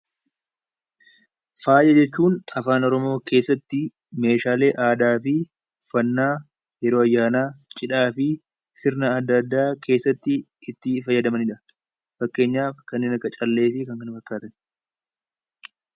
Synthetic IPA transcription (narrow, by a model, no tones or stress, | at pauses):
faːjɐd͡ʒɛt͡ʃːuːnɐfaːnɔɾɔmo̞ːkʰe̞ːsːɐt̪ːɪ | me̞ːʃaːle̞ːʔaːd̪aːfɪ | fɐnːaː | jɛɾo̞ːɐjːaːnaːt͡ʃʼɪᶑaːfɪ | sɪɾnɐːd̪ːɐd̪ːaːkʰe̞ːsːɐt̪ːɪː | t̪ːɪfɐjːɐd̪ɐmɐnɪᶑɐ | fɐkːe̞ːɲːaːfkɐnːeːnɐkːɐt͡ʃʼɐlːe̞ːfɪkɐŋkɐnfɐkːaːt̪ɐn